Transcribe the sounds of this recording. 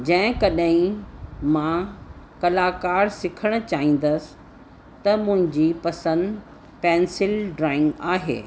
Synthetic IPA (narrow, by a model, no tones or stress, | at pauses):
d͡ʑɐ̃ɦɪ̃kɐɗɦĩmã | kɐlaːkaːɾsɪkʰəɽ̃̆t͡ɕaːɦĩːn̆d̪əsɪ̥ | t̪ɐmʊ̃ɦɪ̃ɲd͡ʑiːpɐsə̃nd̪ | pɛ̃ːnsɪlɖɾaːɪ̃ŋɡaːɦḛː